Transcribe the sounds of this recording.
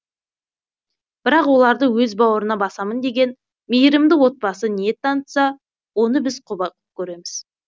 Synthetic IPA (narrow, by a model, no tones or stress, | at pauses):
b̥ɪɾɑqwo̞lˠɑɾd̪əwɵzbɑwəɾənɑbɑsɑmənd̪e̞ɡʲe̞n | mejɪɾɪmd̪ɪwo̞t̪̚pɑsənije̞t̪ʰːɑnət̪sɑ | wo̞nəbɪzqʰʊbɑqəp̚kʲʰɵɾe̞mɪz̥